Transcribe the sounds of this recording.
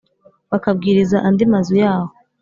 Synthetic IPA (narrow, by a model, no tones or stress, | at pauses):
βakab̚ɡiːɾizaʔandimazujaːho